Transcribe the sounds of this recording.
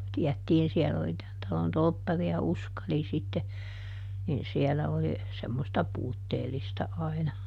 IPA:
tiætːiːn siɛlː oli tæn tɑlon tolpːɑriɑ uskɑli sitːe nin siɛlæ oli semːostɑ puːtːeːlistɑ ɑinɑ

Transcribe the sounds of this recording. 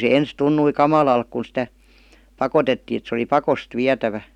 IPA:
se ens tunːui kɑmɑlɑlk kun̞ sĭtæ pɑkotetːiː et se ə̆li pɑkost ʋiætæʋæ

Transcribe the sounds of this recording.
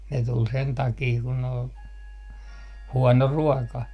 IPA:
ne tul sen tɑkiː kun ol huɔno ruɔkɑ

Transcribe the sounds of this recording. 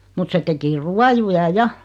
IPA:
mut se teki ruɑjujɑ jɑ

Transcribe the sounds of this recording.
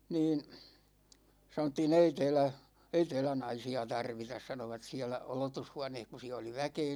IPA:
niːn̞ sɑnotːiːn ei tɛːlæ ei tɛːlæ nɑisiɑ tɑrʋitɑs sɑnoʋɑt siælæ olotushuɑneːh ku siæ oli ʋækeː

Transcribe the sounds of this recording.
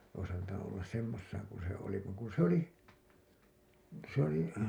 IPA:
ois ɑntɑnu olːɑs semːosːɑːŋ kun̞ se oli ʋɑŋ ku s oli ʋɑŋ ku s oli

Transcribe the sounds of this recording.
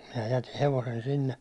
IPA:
minæ jæti heʋosen sinːe

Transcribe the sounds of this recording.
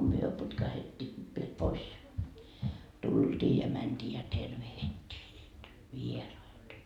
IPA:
myø putkɑhetːiː ʋiel pois jɑ tuld̥iː jɑ mænd̥iː jɑ terʋehitːiː niːt ʋierɑitɑ

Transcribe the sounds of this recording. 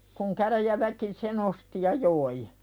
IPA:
kuŋ kæræjæʋæki sen osti jɑ joi

